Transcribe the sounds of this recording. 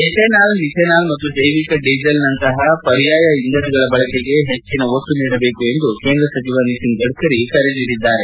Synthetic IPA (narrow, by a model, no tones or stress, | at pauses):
isenaːlnisenaːlmɐt̪ːud͡ʒɐjʋikɐɖiːd͡ʒɐlnɐnt̪ɐɦɐpɐɾijaːjɐiŋɡ̪ɐdɡɐɭɐbɐɭɐkeɡe̞ɦet͡ʃːinɐot̪ːuniːɽɐbeːkue̞nd̪ukeːnd̪ɾɐsɐt͡ʃiʋɐnisiŋɡɡɐɽukɐɾikɐɾeniːdid̪ːaːɾe̞